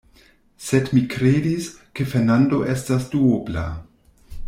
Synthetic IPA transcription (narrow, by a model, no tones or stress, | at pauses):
sedmikɾedis | kefeɾnando̞ʔe̞stasduobla̰